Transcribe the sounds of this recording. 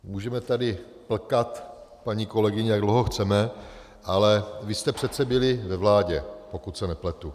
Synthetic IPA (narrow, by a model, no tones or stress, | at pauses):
muːʒɛmɛt̪adɪ | pl̩kat̪ | paɲiːko̞lɛɡɪɲɛjaɡdlowɦoxt͡sɛmɛ | ʔalɛvɪst̪ɛpr̝̥ɛt̪t͡sɛbɪlɪvɛvlaːɟɛpo̞kut̪sɛnɛplɛt̪u